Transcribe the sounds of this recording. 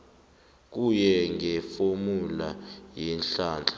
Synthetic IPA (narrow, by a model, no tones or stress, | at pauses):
k̬ujɛŋʱɛfomulajɛnɬaːnd͡ɮʱʼḁ